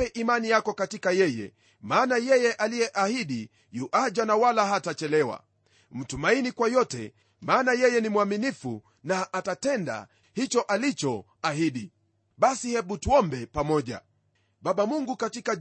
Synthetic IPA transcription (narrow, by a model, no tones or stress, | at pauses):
ɛʔimanijakɔkatikajɛjɛ̰ | maːnajɛjɛʔalijɛʔahiɗi | juʔad͡ʒanawalaɦatat͡ʃɛlɛwa̰ | m̩tumainikwajɔtɛ̰ | maːnajɛjɛnimwaminifṵ | naʔːtatɛnda̰ | hit͡ʃɔʔalit͡ʃɔ | ahiɗi | ɓasihɛɓutuɔmbɛpamɔʄa̰ | ɓaɓamuŋɡukatika